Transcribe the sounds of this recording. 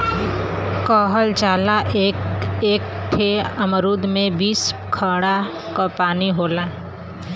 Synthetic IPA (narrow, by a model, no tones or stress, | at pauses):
kɔːɦəld͡ʒaːlaʔ | eːk̚ʈʰeəmɾuːd̪mẽbiːskʰəɽa | kapaːniɦoːlaː